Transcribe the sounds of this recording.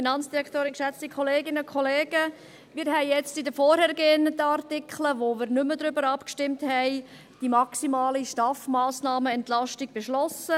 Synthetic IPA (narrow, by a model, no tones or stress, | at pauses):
finɑnt͡sd̥iɾɛktoːɾɪnkʃɛt͡stikʰχɔleːɡɪnəkʰχɔleːɡ̥ə | miːɾɦɛɪjɛt͡stidəfɔɾhɛɾɡ̥enətːɑɾtɪkʰχləʋomɪːɾnʏmədɾʏbəɾɑpkʃtɪmthɛɪ | d̥imɑksimɑːliʃtɑfmaːsnɑːməɛntlɑʃtiɡ̥̚b̥eʃlɔsə